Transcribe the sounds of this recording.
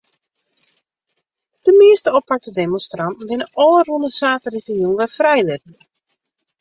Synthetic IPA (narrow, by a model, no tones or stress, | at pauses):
d̥əmɪːstəɔpʰak̚tədemɔnstrɑn̩bɪnəʔɔːrunəsaːtəritəjunʋɛfrɛjʋɪdn̩